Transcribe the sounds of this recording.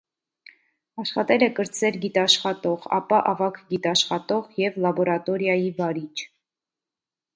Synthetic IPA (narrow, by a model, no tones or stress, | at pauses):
ɑʃχɑt̪ɛlɛkəɾt͡sʰɛlɡit̪ɑʃχɑt̪ɔʁɑ̰pɑʔɑvɑkʰɡit̪ɑʃχɑt̪ɔʁjɛvlɑbɔɾɑt̪ɔɾjɑjivɑɾit͡ʃʰ